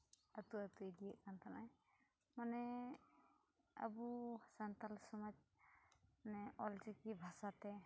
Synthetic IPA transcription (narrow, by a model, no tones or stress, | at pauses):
at̪uat̪uidijaʔkant̪ʰanaj | manɛ | a̰busant̪alsɔmɔd͡ʒ̚ | anɛɔld͡ʒɛkibʱasat̪ɛ